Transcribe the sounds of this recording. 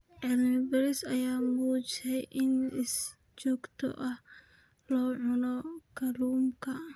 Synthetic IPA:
ʕɪlnɪbɐɾɪsɐjaːmuːt͡ʃsɛjʔɪnɪs | t͡ʃɔːɡt̪ʰɔ̰ʔɐh | lɔːʕʊnɔkʰɐluːmkʰɐ

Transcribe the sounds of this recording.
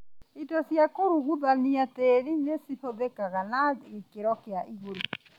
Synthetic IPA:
itɔsjakoɾuɣuðaniatɛɾinesihoðekaɣanaɣekeɾɔkeaʔiɣoɾo

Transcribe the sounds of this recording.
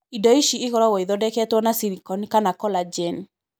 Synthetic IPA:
idɔiʃieɣɔɾɔɣɔiðɔdɛkɛtwɔnasiɾikɔnikanakɔlad͡ʒɛn

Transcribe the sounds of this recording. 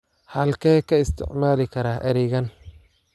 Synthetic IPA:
hɐlkʰɛːkʰɐɪst̪ʰɪ̰ʕmaːlɪkʰɐɾaːʔɛɾɛɣɐn

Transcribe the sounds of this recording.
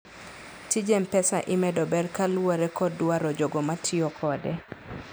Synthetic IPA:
tid͡ʒɛmpɛsaʔɪmɛdɔbɛrkalwoɾɛkɔdwaɾɔd͡ʒoɡomatʰiokʰɔdɛ

